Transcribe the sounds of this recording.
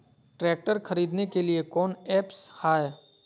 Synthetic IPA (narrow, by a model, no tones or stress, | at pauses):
ʈɾɛːk̚ʈəɾxʰɐɾiːd̪nekeliekɔːnɛːpshaːe